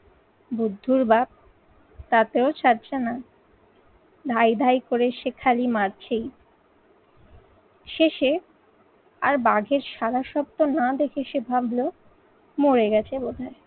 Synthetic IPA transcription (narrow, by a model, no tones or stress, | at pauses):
bud̪ʱːuɾbab̚ | t̪at̪eot͡ɕʰaɾt͡ɕʰena | d̪ʱajd̪ʱajkoɾeʃekʰalimaɾt͡ɕʰej | ʃeʃe | a̰ɾbaɡʱeɾʃaɾaʃɔb̚t̪onad̪ekʰeʃebʱablo | moɾeɡɛt͡ɕʰebod̪ʱae